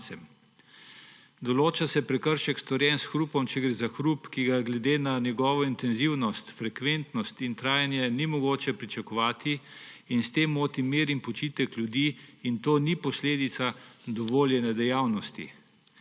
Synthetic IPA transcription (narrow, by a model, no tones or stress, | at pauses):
sɛm | d̪ɔloːt͡ʃasɛpɾɛkəɾʃɛkst̪ɔɾjɛnsxɾupɔmt͡ʃɛɡɾeːzaxɾupkiɡaɡlɛd̪eːnanjɛɡɔːʋɔint̪ɛnziwnɔst̪fɾɛkʋent̪nɔst̪int̪ɾaːjanjɛnimɔɡoːt͡ʃɛpɾit͡ʃakɔʋaːt̪iːnst̪eːmoːt̪imiːɾimpɔt͡ʃiːt̪ɛklʲjud̪iːnt̪oːnipɔsleːd̪it̪sad̪ɔʋoːljɛnɛd̪ɛjaːwnɔst̪ḭ